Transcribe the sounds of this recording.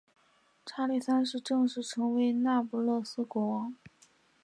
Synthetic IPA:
ʈ͡ʂʰa˥li˥˩sa˥nʂɻ̩˥˧ʈ͡ʂɤ˥˧ŋʂɻ̩˥˩ʈ͡ʂʰɤ˧˥ŋwe˧˥ɪna˥˩pu˧˥lɤ˥˩sɹ̩˥kwɔ˧˥wɑ˧˥˦ŋ

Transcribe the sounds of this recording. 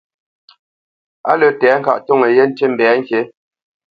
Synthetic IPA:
a˦lə˨tɛː˨˦ŋ̩˨ka̰˦˨ʔto˦˨ŋə˨je˦n̩˦te˦m̩˨bɛː˨˦ŋ̩˦kje˨˦

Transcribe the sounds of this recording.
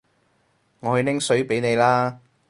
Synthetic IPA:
ŋɔː˨˧hɵ˧lɪ˥ŋsɵ˨˥ɥpe˨˥jne˨˧jlaː˥

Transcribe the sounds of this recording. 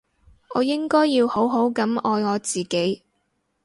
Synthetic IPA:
ɔː˨˧jɪ˥ŋkɔː˥jːiː˧who˨˥wɦo˨˥wkɐ˨˥mɔː˧jŋɔː˨˧t͡siː˨ke˨˥j

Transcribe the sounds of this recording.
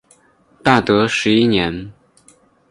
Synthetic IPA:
t̪a˥˩t̪ɤ˧˥ʂɻ̩˧˥i˥njɛ˧˥n

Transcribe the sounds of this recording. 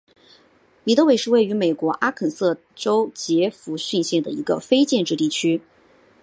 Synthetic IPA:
li˨˩t̪ɤ˥we˨˩ɪʂɻ̩˥˧we˥˩ɪy˧˥me˨˩ɪkwɔ˧˥ʔa˥kʰə˨˩sɤ˥˩ | ʈ͡ʂo˥ʊt͡ɕjɛ˧˥fu˧˥ɕy˥˧nɕjɛ˥˩nd̪ə̰˩ḭ˧˥ɡə̰˧fe˥ɪt͡ɕjɛ˥˧nʈ͡ʂɻ̩˥˧t̪i˥˩t͡ɕʰy˥

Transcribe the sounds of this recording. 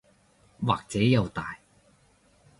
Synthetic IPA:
waː˨˩k̚t͡sɛː˨˥jɐ˨˧wt̪aː˨j

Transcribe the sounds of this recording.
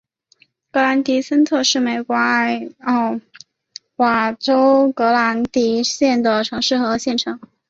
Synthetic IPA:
kɤ˧˥la˧˥nt̪i˧˥sə˥nt̪ʰɤ˥˧ʂɻ̩˥˩me˨˩ɪkwɔ˧˥a˥˩ɪ˥˧˩ | wa˨˩ʈ͡ʂo˥ʊkɤ˧˥la˧˥nt̪i˧˥ɕjɛ˥˩nd̪ə˩ʈ͡ʂʰɤ˧˥ŋʂɻ̩˥˩xɤ˧˥ɕjɛ˥˩nʈ͡ʂʰɤ˧˥ŋ

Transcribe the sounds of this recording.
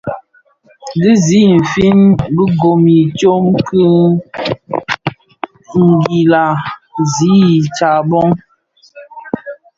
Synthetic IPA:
di˦zi˦m̩˨fi˦nbə˦ɡo˨mi˨t͡ʃo˦mkɨ˦ | ŋ̩˨ɡi˨la˨zi˨˦˨t͡ʃa˨bɔ˦ŋ

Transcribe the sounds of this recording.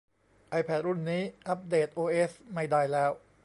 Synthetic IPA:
ʔa˧jpʰɛ˦˥˩t̪̚ɾu˥˩nːiː˦˥ʔa˦˥p̚deː˨˩t̪̚ʔoː˧ʔe˦˥sma˧˩jdaː˧jlɛː˦˥w

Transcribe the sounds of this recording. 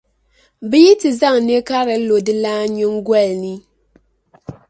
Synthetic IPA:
bi˦ji˦tɨ˨za˦˨ŋne˦ka˦ɾɨ˨˦lo˨dɨ˦laː˦ɲɪ˦ŋɡwɛ˦˨lni˦

